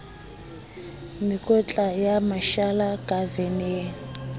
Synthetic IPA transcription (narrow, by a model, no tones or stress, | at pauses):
mikʼɔt͡ɬʼajamaʃalakʼavɛne